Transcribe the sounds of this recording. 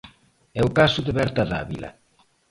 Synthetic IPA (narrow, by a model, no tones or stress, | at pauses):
ɛʊkasʊðeβɛɾt̪aða̰βilɐ̰